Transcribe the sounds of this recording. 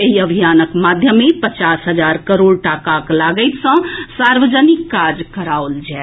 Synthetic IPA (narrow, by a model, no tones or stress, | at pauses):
eɦiəbʱijaːnəkmaːd̪ʱjəmẽpət͡ʃaːsɦəd͡ʒaːɾkəɾoːɽʈakaklaːɡəɪt̪sə̃saːɾʋəd͡ʒənikːaːɾd͡ʒkəɾaːold͡ʒɛː